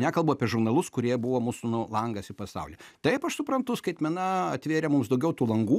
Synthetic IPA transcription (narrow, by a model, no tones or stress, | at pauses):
nʲækɐlˠbʊɑːpʲiɛʒʊɾnɐlˠʊskʊɾʲiɛbʊʋoːmuːsʊnʊlˠɐŋɡɐsɪpɐsɐ̰ʊlʲɛt̪ɐɪpɐʃsʊpɾɐnt̪ʊskɐɪt̪ʲmʲɛnɐɐt̪ʲʋʲeːɾʲɛmʊmsd̪ɐʊɡʲɛʊt̪uːlˠɐŋɡuː